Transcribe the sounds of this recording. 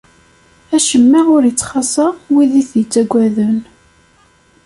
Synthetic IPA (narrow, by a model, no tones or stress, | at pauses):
æʃəmːiʁʊɾjət͡sːχɑsɑwiðiθjət͡sːæɡʷːæðən